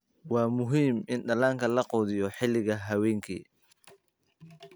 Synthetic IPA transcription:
wɑːmʊɦiːmʔɪnɖɐlaːŋkʰɐlɐqɔːðɪjɔħɪlɪɣɐɦɐwɛːŋkʰḭː

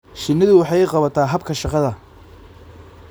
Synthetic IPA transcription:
ʃɪnɐðʊwɑħɑjɪqɑβɐt̪ʰaːɦɐbkʰɐʃɑqɑðɐ

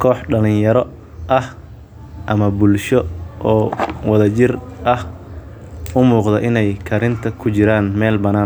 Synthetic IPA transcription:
kʰɔːħɖɐlɪnjɐɾɔ | ʔɐh | ʔɐmɐbʊlʃɔʔɔːwɐðɐt͡ʃɪrʔɐh | ʊmuːqd̪ɐʔɪnɛjkʰɐɾɪnt̪ʰɐkʰʊt͡ʃɪɾaːnmɛːlbɐnaː

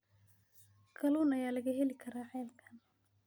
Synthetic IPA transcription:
kʰɐluːnɐjaːlɐɣɐɦɛlɪkʰɐɾaːʕɛːlkʰɐ̥n

